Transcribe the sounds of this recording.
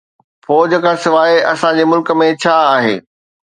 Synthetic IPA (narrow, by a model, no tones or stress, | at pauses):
fɔːd͡ʑəkʰãːsɪʋaːeɐsãd͡ʑeːmʊlkə̆mẽt͡ɕʰaːaːɦḛː